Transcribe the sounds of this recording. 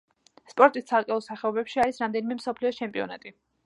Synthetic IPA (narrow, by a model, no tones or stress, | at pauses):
spʼɔɾt̪ʼist̪sʰalˠkʼɛɔlˠsaχɛɔbɛpʃiaɾisɾamd̪ɛnimɛmsɔpʰliɔt͡ʃʰɛmpʼiɔ̰na̰t̪ʼi